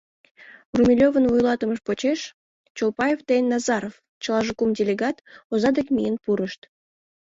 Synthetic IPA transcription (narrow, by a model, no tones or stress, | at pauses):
rumʲilʲovənvujlɑt̪əməʃpot͡ɕeʃ | t͡ɕolpɑjeft̪ejnːɑzɑɾof | t͡ɕəlˠɑʒukumdʲelʲeɡɑt̪ozɑd̪ekmijənpuɾəʃt̪